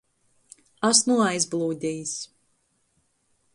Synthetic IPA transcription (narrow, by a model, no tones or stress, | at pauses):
asnuajzblˠuːd̪ʲijs